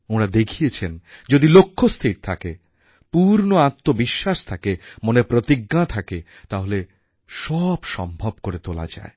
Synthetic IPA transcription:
oɽ̃ad̪ekʰiet͡ɕʰend͡ʑod̪ilokʰːost̪ʰiɾt̪ʰake | puɾnoat̪ːobiʃːaʃt̪ʰakemonepɾot̪iɡːat̪ʰake | t̪aɦole | ʃɔbʃɔ̰mbʱob̚koɾet̪ola̰d͡ʑa̰e

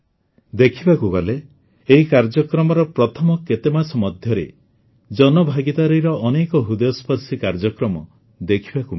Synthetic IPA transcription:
d̪ekʰibakukɔleː | ɦikaɾd͡ʒɔkɾɔmɔɾɔpɾɔt̪ʰɔmɔket̪emasɔmɔd̪ʱjɔɾḛ | d͡ʒɔnɔbʱaɡit̪aɾɔjɾɔʔːnekɔɦud̪ɔjɔspʰɔɾsikaɾd͡ʒɔkɾɔmɔ | d̪ekʰibaku

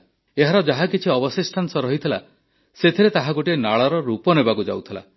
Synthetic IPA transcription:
eɦaɾɔd͡ʒaɦakit͡ʃʰiɔbɔsisʈʰansɔɾɔɦit̪ʰila̰ | set̪ʰiɾet̪aɦaɡuʈienaɭɔɾɔɾupɔnebakud͡ʒa̰wt̪ʰila̰

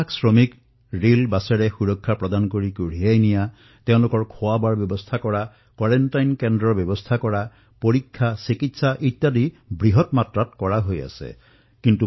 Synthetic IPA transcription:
ksɹɔmik | ɹilbasɛɹɛxuɹɔkʰːapɹɔd̪ankoɹikuɹ̤iajnija | teʊ̃lʊkɔɹkʰowabaɹbjɔbɔst̪ʰakɔɹa | kwaɹɛntajnkɛndɹɔɹbjɔbɔst̪ʰakɔɹa | poɹikʰːasikitsaʔitːadi | bɹiɦɔtmatɹatkɔɹaɦoja̰sɛ̰ | kintu

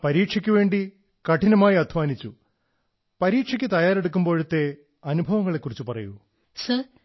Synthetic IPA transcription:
pɐɾiːʈʂɐkʲːuʋe̞ːɳɖi | kɐʈinɐmaːjiɐd̪ʱʋaːnit͡ɕːu | pɐɾiːʈʂɐkʲːɨt̪ɐjaːɾe̞ɽuk̬ːumbo̞ːɻut̪ːe̞ | ɐnubʱɐʋɐŋːɐɭe̞kːurit͡ɕːupɐrɐ̰jṵ | sɐ

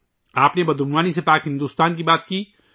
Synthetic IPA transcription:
aːpnebɐd̪ʊnʋaːnisepaːkɦɪ̃nd̪uːst̪aːnk̬ibaːt̪̚kiː

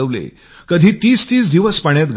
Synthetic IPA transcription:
əʋlḛ | kəd̪ʱiːt̪iːst̪iːsd̪iʋəspəɳjat̪ɡʱ

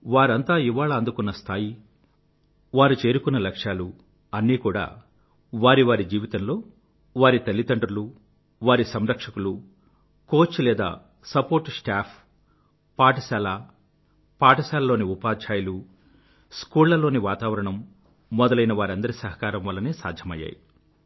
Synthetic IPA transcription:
ʋaːɾɐnt̪aːiʋaːɭɐːnd̪ukunːɐst̪ʰaːji | ʋaːɾut͡ʃe̞ːɾukunːɐlɐkʂjaːlu | ɐnːiːkuːɽa̰ː | ʋaːɾiʋaːɾid͡ʒiːʋit̪ɐnlo̞ː | ʋaːɾit̪ɐlːit̪ɐɳɖɾɐlu | ʋaːɾisɐmɾɐkʂɐkulu | ko̞ːt͡ʃːulɛːd̪a̰ː | sɐpo̞ːɾʈsʈaːpʰ | paːʈɐsaːla | paːʈɐsaːlɐlo̞ːniupaːt͡ʃʰaːjɐlu | skuːɭːɐlo̞ːniʋaːt̪aːʋɐɾɐɳɐmː | ɔd̪ɐlɐjnɐʋaːɾɐnd̪ɐɾisɐɦɐkaːɾɐmʋɐlːɐneːsa̰ːd̪ʱjɐmɐ̰jːa̰ːji

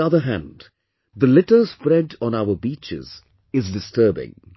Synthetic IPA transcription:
ʌðəɦæ̃nd | d̪əlɪʈə˞spɾɛɖɔ̃naʊəbiːt͡ʃɪ̰z̥ | ɪzdɪstəːbɪ̰̃ŋ

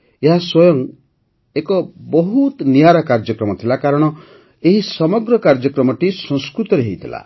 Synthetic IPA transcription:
eɦaswɔjɔŋ | ekɔbɔɦut̪nijaɾakaɾd͡ʒɔkɾɔmɔt̪ʰilakaɾɔɽ̃ɔ | eɦisɔmɔɡɾɔkaɾd͡ʒɔkɾɔmɔʈisɔ̃ŋskɾut̪ɔɾeɦejt̪ʰila̰

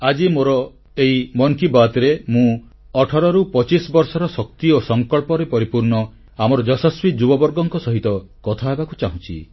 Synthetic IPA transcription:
ad͡ʒimoɾɔ | eimɔŋkibat̪ɾemũ | ɔʈʰɔɾɔɾupɔt͡ʃisbɔɾsɔɾɔsɔk̚t̪iosɔŋkɔɭpɔɾepɔɾipuɾɳɔ | amɔɾɔd͡ʒɔsɔswid͡ʒubɔbɔɾɡɔŋkɔsɔɦit̪ɔkɔt̪ʰaebakut͡ʃaɦũt͡ʃʰḭ

